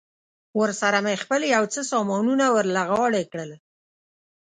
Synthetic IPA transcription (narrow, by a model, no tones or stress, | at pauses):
wəɾsaɾamexpəljawt͡səsɑmɑnunawəɾlaɣɑɽekɽəl